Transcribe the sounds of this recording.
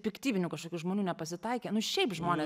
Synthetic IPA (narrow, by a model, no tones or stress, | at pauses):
pʲɪkt̪ʲiːʋʲɪnʲʊːkɐʃkoːkʲuːʒmoːnʲuːnʲɛpɐsʲɪt̪ɐɪkʲeːnʊʃʲɛɪpʒmoːnʲeː